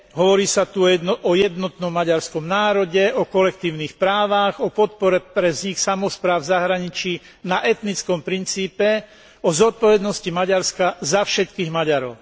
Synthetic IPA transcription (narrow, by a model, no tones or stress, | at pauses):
ɦɔʋɔɾiːsat̪uɔjɛd̪nɔt̪nɔmːaɟaɾskɔmnaːɾɔɟɛɔkɔlɛkt̪iːʊniːxpɾaːʋaɣɔpɔt̪̚pɔɾɛpɾɛvzɲiksamɔspɾaːʊzaɦɾaɲit͡ʃiː | naʔɛt̪nit͡skɔmpɾint͡siːpɛ | ɔzɔt̪̚pɔʋɛd̪nɔscimaɟaɾskazafʃɛt̪kiːɣmaɟaɾɔʊ